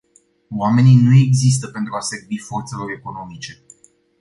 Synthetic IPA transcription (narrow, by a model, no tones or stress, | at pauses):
wame̞ninue̞ɡzis̬t̪əpe̞nt̪ɾuaseɡbifo̞rt̪se̞lo̞ɾe̞ko̞no̞mit͡ʃe̞